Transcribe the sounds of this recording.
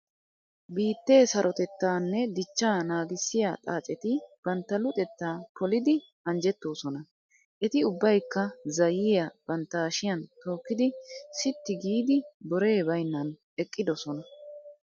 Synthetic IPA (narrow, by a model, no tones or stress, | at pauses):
biːt̪ːe̞ːsɐɾʔɔt̪ɛt̪ːaːnːɛd̪ɪt͡ʃːaːnaːɡɪsːɪja̰t̪ʼa̰ːt͡ʃʼɛt̪ɪb̥ɐnt̪ːɐlʊt̪ʼɛt̪ːaːpɔlɪd̪ɪ | ɐnd͡ʒɛt̪ːo̞ːsɔnɐ | ʔɛt̪ɪʊbːɐjkːɐzɐjɪjɐb̥ɐnt̪ːaːʃɪjɐnt̪o̞ːkːɪd̪ɪsɪt̪ːɪɡiːd̪ɪbɔɾe̞ːbɐjnːɐn | ɛkʼːɪd̪ɔsɔnɐ